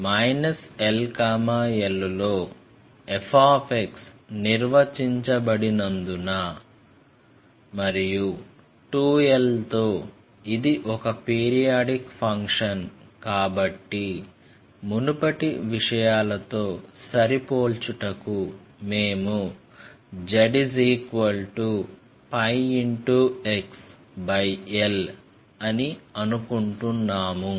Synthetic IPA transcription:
mɐjnɐselkaːmaːelːulo̞ː | epʰaːpʰeksniɾʋɐt͡ʃiɲt͡ʃɐbɐɽinɐnd̪unaː | mɐɾiju | ʈuːelt̪o̞ː | id̪iʔɔkɐpiːɾijaːɖikpʰɐŋkʂɐnkaːbɐʈːi | munupɐʈiʋiʂɐjaːlɐt̪o̞ːsɐɾipo̞ːlt͡ʃuʈɐkume̞ːmu | d͡ʒɐɖis̬iːkʋɐlʈu | pɐjiɳʈueks | bɐjel | ɐniɐnukuɳʈunːaːmu

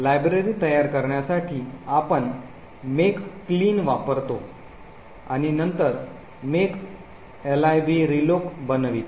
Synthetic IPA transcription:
lajbɾeɾiːt̪əjaɾkəɾɳjasaʈʰiːapəɳ | mekːliːnʋapəɾt̪o | a̰ɽ̃inənt̪əɾ | mek | elajbiɾilokbənʋiːt̪

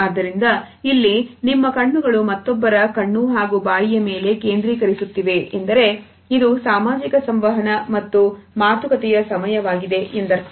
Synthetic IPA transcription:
aːd̪ːɐɾind̪ɐ | ilːinimːɐkɐɳːuɡɐɭumɐt̪ːɔbːɐɾɐkɐɳːuɦaːɡubaːjijɐme̞ːle̞keːnd̪ɾiːkɐɾisut̪ːiʋe̞ʔend̪ɐɾe̞ | id̪usaːmaːd͡ʒikɐsɐmʋɐɦɐnɐmɐt̪ːumaːt̪ʰɐkɐt̪ɛjɐsɐmɐjɐʋaːɡid̪e̞ʔend̪ɐɾ

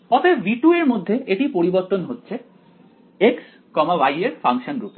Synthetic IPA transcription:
pɔt̪ʰebiʈueɾmod̪ʱːeʔeʈipoɾiboɾt̪onɦotːɕʰe | eks | kɔmabajeɾfʰaŋʃonɡɾup

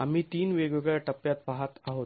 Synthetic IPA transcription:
am̤iːt̪iːnʋeɡʋeɡɭjaʈəpjat̪̚paɦat̪aɦot̪

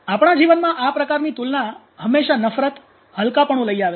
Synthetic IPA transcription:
apɳ̃ad͡ʒiʋənmãʔapɾəkaɾnit̪ulna | ɦəmːeʃanəfɾət̪ | ɦəlkapəɳ̃ũləiaʋe

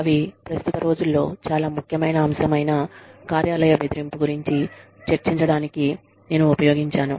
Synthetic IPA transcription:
ɐʋipɾɐst̪ut̪ɐɾo̞ːd͡ʒulːo̞ːt͡ʃaːlaːmukʰjɐmɐjnɐːmsɐmɐjnɐkaːɾjaːlɐjɐbe̞d̪iɾimpuɡuɾiɲt͡ʃi | t͡ʃeɾt͡ʃiɲt͡ʃɐɽaːniki | ne̞ːnuːpɐjo̞ːɡiɲt͡ʃaːnu

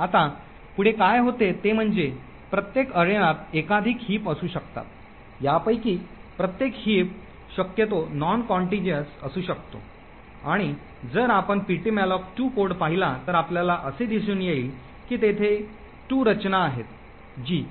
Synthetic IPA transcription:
at̪a | puɽ̤ekajɦot̪et̪em̤əɳd͡ze | pɾət̪jekəɾjəɽ̃at̪̚ekad̪ʱiːkɦiːpəsuːɕəkt̪a̰t̪̚ | japəjkiːpɾət̪jekhiːp̚ | ɕəkjət̪̬onɔnkɔɳʈid͡ʑənsəsuːɕəkt̪o̰ | aɽ̃i | d͡zəɾapəɳpiʈimalɔk̚ʈuːkoɾɽpaɦilat̪əɾapljalaʔəsed̪is̬uːnjeiːl | kiːt̪et̪ʰe | ʈuːɾət͡ɕnaːɦet̪ | d͡ʑiː

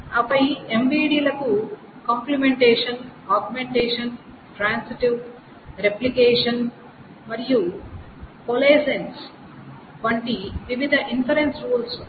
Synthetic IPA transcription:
ɐpɐjemʋiːɖiːlɐku | kamplimeɳʈeːʂɐnaːɡmeɳʈeːʂɐn | ʈɾaːnsiʈiʋ | ɾeplikeːʂɐn | mɐɾiju | poleːsens | ʋɐɳʈiʋiʋid̪ʱɐʔinsɐɾensɾuːls

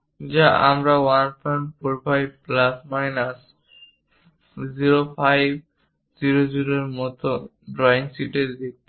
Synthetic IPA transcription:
d͡ʑaʔa̰mɾawanpʰanpɔɾpajbplasmajnas | ziɾopʰajb | ziɾod͡ʑiɾoɾmɔt̪o | ɖɾɔinsiʈeɾd̪ek̚t̪i

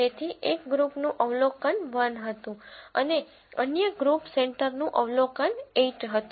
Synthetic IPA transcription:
et̪ʰiʔekɡɾupnũʔəʋlokənʋənɦət̪ũəne | ənjəɡɾupseɳʈəɾnũʔəʋlokəneʈɦət̪

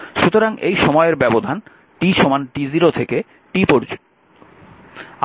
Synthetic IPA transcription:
ʃut̪oɾaŋḛjʃɔmɔeeɾbɛbod̪ʱan | ʈiʃomanɖiziɾot̪ʰeke | ʈipoɾd͡ʑ

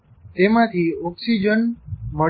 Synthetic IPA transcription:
t̪emãt̪ʰiɔksid͡ʒənmə

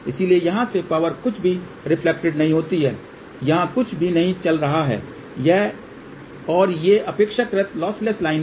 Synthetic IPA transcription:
ɪsiliejɐɦãsepaːʋəɾkʊt͡ʃʰbʱi | ɾɪpʰlek̚ʈɪɖnɐɦĩɦoːt̪iɦɛː | jɐɦãkʊt͡ʃʰbʱinɐɦĩt͡ʃɐlɾɐɦaɦɛ̰ː | jɛ | ɔːɾjeʔɐpeːkʃəkɾɪt̪lɔːsleslaːɪn

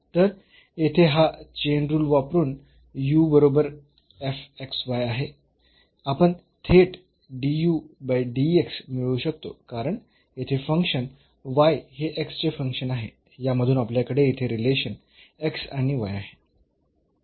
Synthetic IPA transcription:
t̪əɾ | et̪ʰeɦat͡ɕeɳɖɾuːlʋapɾuːn | jubəɾobəɾ | efeksʋajaɦe | apəɳ | t̪ʰeʈ | ɖijubajɖieksmiɭuːɕək̚t̪o̰kaɾəɳ | et̪ʰefəŋkʂən | ʋajɦeʔekst͡ɕefəŋkʂənaɦe | jaməd̪ʱuːnapljakəɽejet̪ʰeɾileɕən | eksaɽ̃iʋa̰jaɦe

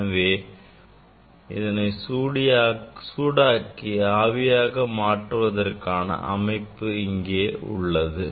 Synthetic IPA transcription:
ɐʋeː | ɪðɐnɐɪsuːɽɪjaːsuːɽaːkːiaːʋɪjaːɣɐmaːʈrɯʋɐðɐrkaːnɐ̰ʔɐ̰mɐɪpːɯɪŋɡeːʊ̰ɭːɐðɯ

